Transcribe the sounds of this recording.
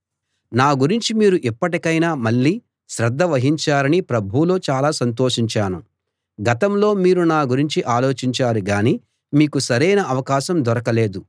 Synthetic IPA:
naːɡuɾiɲt͡ʃimiːɾuʔipːɐʈikɐjnaːmɐɭːiː | ʃɾɐd̪ʱːɐʋɐɦiɲt͡ʃaːɾɐnipɾɐbʱuloːt͡ʃaːlaːsɐnt̪o̞ːʂiɲt͡ʃaːnu | ɡɐt̪ɐmlo̞ːmiːɾunaːɡuɾiɲt͡ʃiʔaːlo̞ːt͡ʃiɲt͡ʃaːɾuɡaːniː | miːkusɐɾɐjnɐʔɐʋɐkaːʃɐmd̪ɔɾɐkɐle̞ːd̪u

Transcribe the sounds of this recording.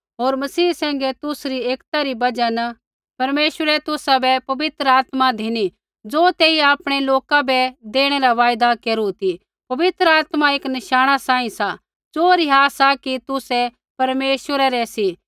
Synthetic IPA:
ɦoːɾmɐsiːsɛ̃ːŋɡɛt̪ʊsɾieːkt̪aɾibɐd͡ʒan | pɐɾmeːʃwəɾɛt̪ʊsabɛpɐʋɪt̪ɾəaːt̪mad̪ʱiñi | d͡zoːt̪eːiaːpɽ̃eloːkabɛd̪eːɽ̃ɛɾaʋaːjd̪akeːɾut̪i | pɐʋɪt̪ɾəaːt̪maeːknɪʃaːɽ̃asãːĩsa | d͡zoːɾiɦaːsakit̪ʊsɛ | pɐɾmeːʃəɾɛɾɛsi

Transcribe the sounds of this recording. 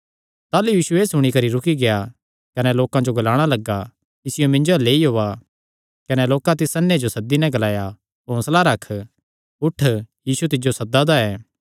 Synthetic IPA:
t̪aːlujiːsueːsʊɽ̃ikɐɾiɾʊkiɡeja | kɐnɛloːkãd͡ʒoɡɐlaːɽ̃alɐɡːa | ɪsɪjomɪ̃nd͡ʒoɛleːiɦoːa | kɐnɛloːkãt̪ɪsɐnːed͡ʒosɐd̪ːinɛ̃ɡɐlaːja | õslaɾɐkʰ | ʊʈʰːjiːsut̪̬ɪd͡ʒosɐd̪ad̪aɛː

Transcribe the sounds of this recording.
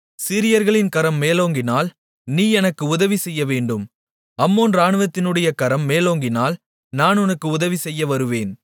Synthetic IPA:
sɪɾɪjɐɾɣɐɭɪnkɐɾɐmːeːloːŋɡɪnaːl | niːɛnɐkːɯʊðɐʋisɛjːɐʋeːɳɖɯm | ɐmːoːnɾaːɳɯʋɐt̪ːɪnɯɽɐjɐkɐɾɐmːeːloːŋɡɪnaːl | naːnʊnɐkːɯʊðɐʋisɛjːɐʋɐɾɯʋeːn

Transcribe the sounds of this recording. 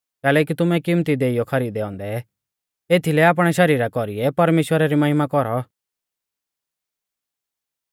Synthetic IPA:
kɛːlɛk̬it̪ʊmɛkimt̪id̪eːijɔkʰɐɾiːd̪eɔ̃ːnd̪ɛ | eːt̪ʰilɛaːp̬ɽ̃ɛʃɐɾiːɾakɔɾiɛpɐɾmeːʃwəɾaɾimɐɦɪmakɔɾɔ

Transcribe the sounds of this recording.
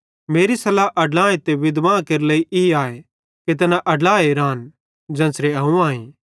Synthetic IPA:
meːɾisɐlaʔɐɖlãːẽt̪eʋɪd̪ʋãːkeɾleːiʔiaːe | ket̪̬ɐnaʔɐɖlaːeɾaːn | d͡ʒɐ̃ːsɾeɐ̃ũãːĩ

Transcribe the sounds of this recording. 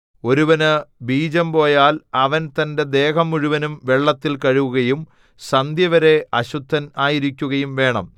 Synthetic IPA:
o̞ɾuʋɐnɨbiːd͡ʑɐmpo̞ːjaːlɐʋɐnt̪ɐnde̞d̪e̞ːɦɐmuɻuʋɐnumʋeɭːɐt̪ːilkɐɻuʋuɣɐjum | sɐnd̪ʱjɐʋɐɾe̞ɐɕud̪ʱːɐnaːjiɾikʲːuɣɐjumʋe̞ːɳɐ̰m

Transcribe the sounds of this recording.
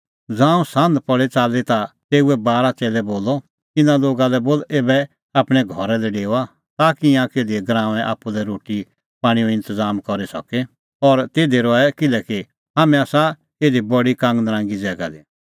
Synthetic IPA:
d͡zãːũsɐ̃nd̪pɔɭet͡saːlet̪at̪eːuɛbaːɾat͡seːlɛboːlɔ | t̪ɪnãloːɡalɛboːleːbɛ | aːpɽ̃ɛɡʱɔɾɛlɛɖeːa | t̪aːkiãkeːd̪iɛɡɾãːʋɛ̃ʔa̰ːpːulɛɾoːʈi | pãːɽ̃ijɔɪ̃nt̪əd͡zaːmkɔɾisɔ̰kɛ | ɔɾt̪eːd̪eɾɔɛkɪlɛki | ɦaːmɛ̃aːsa | eːd̪ibɔɽikãːŋɡnəɾãːŋɡid͡zɛːɡa̰d̪i

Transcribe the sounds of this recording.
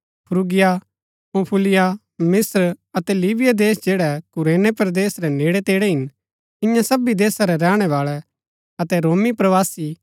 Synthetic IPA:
pʰʊɾuɡɪja | põːpʰulɪja | mɪsɾɐt̪ɛlibɪjad̪eːsd͡ʒeːɽɛkʊɾeːnepɾd̪eːsɾɛneːɽɛt̪eːɽɛɦɪn | ɪ̃jãsɐbid̪eːsaɾɛɾɛːɽ̃ɛʋaːɭɛ | ɐt̪ɛɾoːmipɾɐʋaːsi

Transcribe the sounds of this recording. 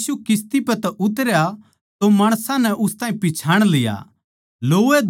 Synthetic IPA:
sukɪst̪ipɛt̪ɛʔʊt̪əɾja | t̪omɐːɽ̃sãnɛʔʊst̪ãːĩpɪt͡ʃʰaːɽ̃lɪja̰ | loːe

